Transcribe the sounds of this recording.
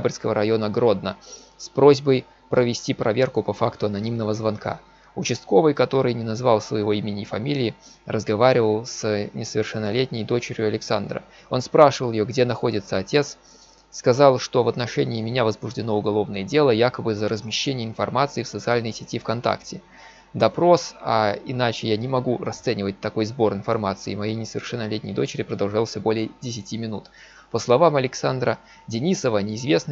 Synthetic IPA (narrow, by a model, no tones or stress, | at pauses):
abərʲskəvəɾɐjo̞nəɡɾo̞d̪nə | spɾo̞zʲbəj | pɾʔəvʲɪsʲtʲipɾʔɐvʲe̞rkʊpɐfakt̪ʊɐnɐnʲimnəvəzvɐnkʰa̰ | ʊt͡ɕɪst̪̚ko̞vəjkɐt̪o̞ɾɨjnʲɪnɐzvɑlˠsvə̰jɪvo̞imʲɪnʲɪjfɐmʲilʲɪː | rəzɡɐvaɾʲɪvəlˠsnʲɪsəvʲɪrʂɨnːɐlʲetʲnʲɪjd̪o̞t͡ɕɪɾʲjʊɐlʲɪksand̪ɾə̰ | o̞̰nspɾaʂɨvəlˠjɪjoɡdʲe̞nɐxo̞dʲɪt̪səɐtʲe̞t̪sː | kɐzɑlˠʂt̪o̞vɐt̪nɐʂɛnʲɪːmʲɪnʲavəzbʊʐdʲɪno̞ʊɡɐlˠo̞vnəjədʲe̞lˠəjakəbɨzəɾəzmʲɪɕːenʲɪjəɪnfɐ̰rmat̪sɨɪfsət̪sɨalʲnɨjsʲɪtʲifkɐnt̪a̰ktʲɪ | d̪ɐpɾo̞saɪnat͡ɕɪjanʲɪmɐɡurɐst̪sɛnʲɪvət̚ʲt̪ɐko̞jzbo̞rɨnfɐrmat̪sɨɪmɐjejnʲɪsəvʲɪrʂɛnːəlʲetʲnʲɪjd̪o̞t͡ɕɪɾʲɪpɾəd̪ɐlˠʐalˠsʲəbo̞lʲɪjədʲɪsʲɪtʲimʲɪnut̪ | pəslˠɐvamɐlʲɪksand̪ɾə | dʲɪnʲisəvənʲɪːzvʲe̞snɨ